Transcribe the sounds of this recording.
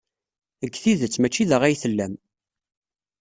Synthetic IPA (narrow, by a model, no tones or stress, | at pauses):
əɡːθiðət͡sːmæt͡ʃːiðəʁæjθəlːæm